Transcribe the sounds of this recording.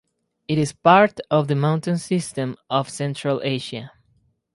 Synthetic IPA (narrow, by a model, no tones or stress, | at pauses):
ɨɾɪzpaɹtʌvðəmãʊntɨ̃nsɪstɨ̃mɔv̥sɛ̃ntɹ̥alʔeɪʃə